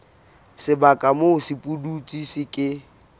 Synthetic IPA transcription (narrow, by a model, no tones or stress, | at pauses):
sɪbakʼamosɪpʼudut͡sʼisɪkʼɪ